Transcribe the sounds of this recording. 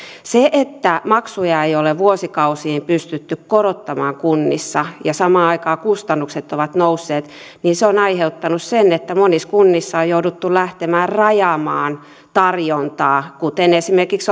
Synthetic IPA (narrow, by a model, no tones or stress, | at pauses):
seʔet̪ːæmɑksujɑeijoleʋuosikɑusiːmpyst̪yt̪ːykkoɾot̪ːɑmɑ̰ːŋkunːḭsːɑjɑsɑmɑːɑikɑːkust̪ɑnːukset̪ːoʋɑt̪nousːeːt̪ | niːnseonɑiheut̪ːɑnussenet̪ːæmoniskunːisːɑojoudut̪ːulæht̪emæːrrɑjɑːmɑːn | t̪ɑrjont̪ɑːkut̪enesimerkiks